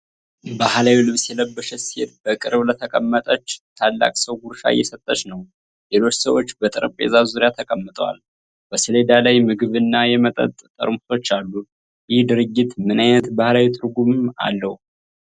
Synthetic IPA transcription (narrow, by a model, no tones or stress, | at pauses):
bahlawilɨβsjɛləbːəʃɛsihet̪bəkʼɨɾβlət̪ʰəkʼəmːət̪ʼət͡ʃːt̪ʰalːa̰kʼsəwɡuɾʃa̰jːɛsət̪ʼːəʃnəw | le̞lo̞t͡ʃːsəwot͡ʃːbət̪ʼɨɾəpʼḛzazuɾjat̪ʰəkʼəmːɨt̪ʼwa̰l | b̥əsɨle̞d̪alajmɨɡɨβɨnːajɛmət̪ʼə̰t̪ʼt̪ʼə̰ɾmu̥t̪ʰo̞t͡ʃːalːu | jɪhd̪ɨɾɨɡːit̪mɨnajnət̪bahlawit̪ʼɨɾɡumɨma̰lːəhu